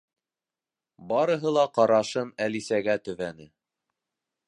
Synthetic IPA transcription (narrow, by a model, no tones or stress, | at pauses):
bɑɾɤ̆ɦɤlˠɑqɑɾɑʃɤnælisæɡæt̪ɵ̆βænɘ